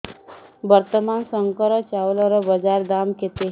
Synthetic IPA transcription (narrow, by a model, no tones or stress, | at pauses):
bəɾt̪əmansəŋkəɾət͡ɕaʋləɾəbəd͡ʒaɾd̪amket̪e